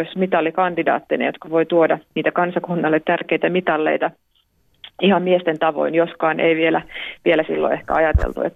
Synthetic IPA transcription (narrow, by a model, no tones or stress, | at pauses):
osmit̪ɑlːikɑnd̪idɑ̰ːt̪ːinḛjot̪kɑʋoit̪uodɑniːt̪ækɑnsɑkunːɑlːet̪t̪ærkeit̪æmit̪ɑlːḛit̪ɑ | ihɑmmiest̪ent̪ɑʋo̰injoskɑːnʔeiʋielæʋielæsilːo̰ehkæ̰ɑjɑt̪ḛlt̪ṵḛt̪ː